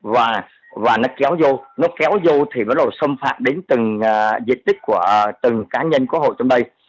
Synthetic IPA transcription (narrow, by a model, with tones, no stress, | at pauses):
vaː˨˩ | vaː˨˩nɔ˨˦kɛ˨˦wzo˧nɔ˨˦kɛ˨˦wzo˧t̪ʰi˨˩və˨˦nɗo˨˩sə˧mfa̰ː˧˩t̚ɗe˨˦nt̪ɨ˨˩ŋːzḭ˧˨nt̪ï˦˥k̚ku˧˩ət̪ɨ˨˩ŋkaː˨˦ɲə˧nku˧˦ɦo̰˧˨jt͡ɕɔ˧ŋ͡mɗə˧j